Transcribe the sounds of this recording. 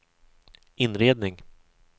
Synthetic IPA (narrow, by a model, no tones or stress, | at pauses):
ɪnɾeːd̪nɪŋ